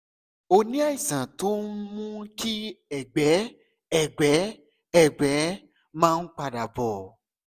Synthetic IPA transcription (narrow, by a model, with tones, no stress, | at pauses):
o˧nĩ˦a˦˨i˨sã˨to˨˦mũ˦ki˦ɛ˦˨ɡ͡bɛ˨˦ | ɛ˦˨ɡ͡bɛ˨˦ | ɛ˦˨ɡ͡bɛ˨˦ | mãː˦˧n̩˦k͡pa˧˨da˨bɔ˨